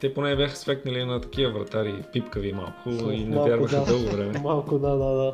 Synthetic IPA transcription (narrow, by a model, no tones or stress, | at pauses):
t̪ɛponɛːbʲjaxə̥sfɛkt̪nɐlinɐt̪ɐ̥k̟iəvɾɐ̰t̪aɾipipkəvima̰lˠkʰʊinɛvjaɾvəxəd̪ɤlˠɡovɾɛmɛmalˠkʊd̪ad̪ad̪a